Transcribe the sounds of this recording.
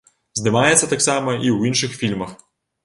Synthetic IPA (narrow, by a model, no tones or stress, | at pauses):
zd̪ɨmajɛt̪sːɐt̪aksamɐʔiwinʂɨxfʲilʲmɐx